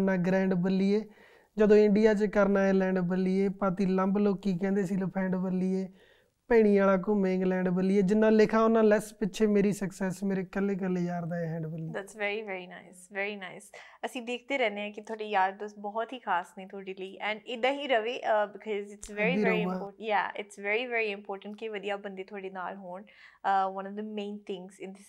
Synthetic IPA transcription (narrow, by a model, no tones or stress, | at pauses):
naːɡɾɛ̃ːɳɖbəlːiːeː | d͡ʒəd̪õːɪɳɖijaːt͡ʃkəɾnaːeːlɛ̃ːɳɖbəliːeːpaːt̪iːləmbloːiːkɛ̃ːnd̪eːsiːləpʰɛ̃ːɳɖbəlːiːeː | pəːɽ̃ĩːaːlaːk̬õmẽːŋɡlɛ̃ːɳɖbəlːiːeːd͡ʒɪnːãːlɪkʰãːʊnːãːlɛːspɪʃʰeːmeːɾiːsəksɛːsmeːɾeːkəlːeːk̬əlːeːjaːɾd̪aːeɛ̃ːɳɖbəlːiːd̪æːtsʋɛːɾiːʋɛːɾiːna̰ɪsʋɛːɾiːnaɪsəsĩːd̪eːkʰt̪eːɾɛ̃ːnd̪eɦãːkɪt̪ʰʊaːɖiːjaːɾd̪əsbɔːt̪ɦiːkʰaːsnĩːt̪ʰʊaːɖiːliːʔɛ̃ɳɪd̪ãːɦiːɾəʋeːʔəbɪkʰɔzɪʈsʋɛːɾiĩːmɔjæ̰ːɪ̰ʈsʋɛːɾiːʋɛːɾiːɪ̃mpɔːɾʈə̃ɳʈ̚kiʋəd̪ijaːbə̃nd̪eːt̪ʰʊaːɖeːna̰ːlɦoːɳ | əʋə̃nɔfd̪əmẽːnt̪ʰɪ̃ŋɡzɪ̃nd̪ɪs